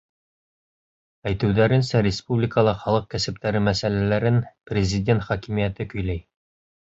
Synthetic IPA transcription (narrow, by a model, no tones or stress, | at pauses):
æjt̪ɘ̆wðæɾɘ̆nsæɾʲɪspublʲɪkəlˠɑχɑlˠɤq̚kæsɘ̆p̚t̪æɾɘmæsælælæɾɘnprʲɪzʲidʲent̪χɒkimijæt̪ɘkɵ̆jlæj